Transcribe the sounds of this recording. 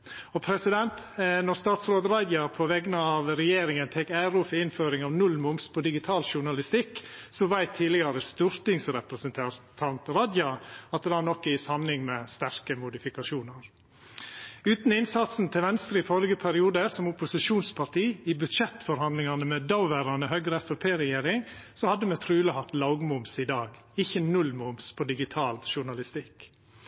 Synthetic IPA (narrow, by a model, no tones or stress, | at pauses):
ɔpʰɾɛsɪd̪ɛnt̪nɔɾst̪ɑːt̪sɾoːd̪ɾɑɪd̪jɑpʰɔʋɛɡənəɑʋɾɛjeːɾɪŋənt̪ʰɛkæɾʊfɔɪnføːɾɪŋɑʋnʉlmʊmspʰɔd̪ɪɡɪt̪ʰɑːlʃʊɳɑlɪst̪ɪkːsɔʋæɪt̪ʰːiːlɪɡɑɾəst̪ʉɾt̪ɪŋsɾɛpɾəsənt̪ʰɑt̪ʰɑnt̪ɾɑd̪jɑɑt̪̚d̪ɛɑnɔkːəjɪsɑmnɪŋmɛst̪æɾkəmʊd̪ɪfɪkɑʃuːnəɾ | ʉːt̪n̩ɪnsɑt̪sn̩t̪ʰɪlʋɛnst̪ɾəɪfɔɾɡəpʰæɾɪuːd̪əsɔmʊpʊsɪʃuːnspʰɑt̪iːɪbʉt̪ʃɛt̪ːfɔɾhɑnd̪lɪŋɑnəmɛd̪ɑʊʋæːɾɑnəhœɡɾəɛfɛpʰeːɾɛjeːɾɪŋsɔhɑd̪ːəmɛt̪ʰɾʉːləhɑt̪lɑʊɡmʊmsɪd̪ɑːɡ | ɪçːənʉlmʊmspʰɔd̪ɪɡɪt̪ʰɑːlʃʊɳɑlɪst̪ɪk